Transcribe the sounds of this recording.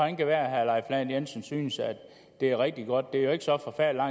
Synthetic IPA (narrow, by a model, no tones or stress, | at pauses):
hænkæʋæːɐæɦælɑ̈ɪflɛn̩jensn̩syːnəsæd̥ | d̥e̝æɐʁɛɡ̥̚d̥iɡ̥ɒ̽d̥̚d̥e̝ɐjo̝e̝ɡ̥sɒ̽fɒ̽fæɐ̰lilɑ̈ŋ